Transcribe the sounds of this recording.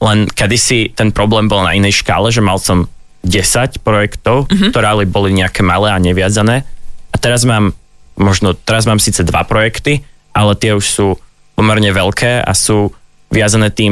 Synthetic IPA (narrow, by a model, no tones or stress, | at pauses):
lɛnkɛd̪isit̪ɛnpɾɔblɛːmbɔlˠna̰inɛjʃka̰ːlɛʒɛmalsɔm | ɟɛsacpɾɔjɛkt̪ɔʊkkkt̪ɔɾɛalibɔliɲɛakɛːmalɛːaɲɛʋɪad͡zanɛːat̪ɛɾazmaːmː | ɔʒnɔt̪ɛɾazmaːmsiːt͡sɛd̪ʋa̰pɾɔjɛkt̪i | ʔalɛt̪ɪɛuʃsuː | pɔmɛɾɲɛʋɛʎkʰɛːa̰suː | ʋɪad͡zanɛːt̪iːm